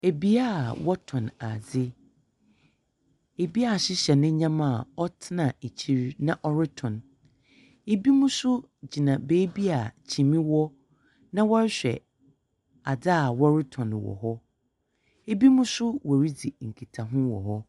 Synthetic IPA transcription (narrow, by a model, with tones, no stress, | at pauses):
e˨bi˦a˦˨wɔ˦tʰɔ̃˨na˨d͡zɪ˦ | e˨bi˦a˦˨ɕɪ˦ɕɛ˨nɪ̃˦ɲã˦mã˨ɔ˦tʰɪ˦nã˨e˨t͡ɕʰi˦˨ɾnã˦ʔɔ˦ɾɪ˦tʰɔ̃˨n | e˦bi˦mũ˦sʊ˦ | d͡ʑi˨nã˨beː˦bi˦a˨t͡ɕʰi˨mĩ˦wɔ˦ | nã˦wɔ˦ɾɪ˦ɕᶣɛ̰˨ | a˨da˦a˨wɔ˦ɾɪ˦tʰɔ̃˨n˨wɔ̰˨ɦɔ˦ | e˦bi˦mũ˦sʊ˦wɔ˨ɾi˦d͡zi˨ŋ̩˨kʰi˨tʰa˨ɦʊ̃˦wɔ̰˨ɦɔ˦